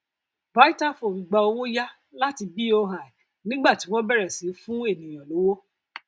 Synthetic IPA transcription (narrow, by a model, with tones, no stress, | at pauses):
ba˨˦i˦ta˦fo˨ĩ˨ɡ͡ba˧o˧wo˦ja˦ | la˦ti˧bi˦o˧ɦa˨i˨ | nĩ˦ɡ͡ba˦˨ti˨˦w̃ɔ̃˦bɛ˦ɾɛ˨sĩ˨˦fũ˦e˦˨nĩ˨j̃ɔ̃˨lo˨˦wo˦